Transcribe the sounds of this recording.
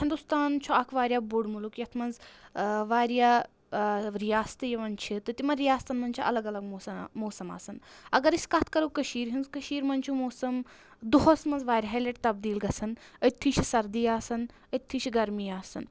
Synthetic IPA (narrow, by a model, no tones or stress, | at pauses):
hind̪ust̪aːnt͡ʃʰoakʰʋaːɾʲjabuɽmulukjɐt̪ʰmɐnz | ʋaːɾja | ɾijaːst̪ɨjeʋɐnt͡ʃʰit̪ɐt̪imɐɾijaːst̪ɐnmɐnt͡ʃʰaʔɐlɐɡɐlɐɡmosɐmoːsɐma̰ːsɐnɐ̰ɡɐɾiskat̪ʰkɐɾukɐʃiːɾɦinzkɐʃiːɾmɐnʲt͡ʃʰimoːsɐm | d̪uɦosmɐnzʋaːɾʲɦajleʈ̚t̪ɐb̚d̪iːlɡɐsɐnət̪ʰːiːɕʰisɐɾd̪ijaːsɐn | ət̪ʰːiʃʰiɡɐɾmiːaːsɨ̰n